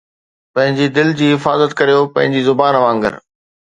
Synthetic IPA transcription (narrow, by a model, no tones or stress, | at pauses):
pɐ̃ɦɪ̃ɲd͡ʑid̪ɪld͡ʑiːɦɪfaːzət̪kɐɾijopɐ̃ɦɪ̃ɲd͡ʑizʊbaːnʋãːŋɡə̰ɾ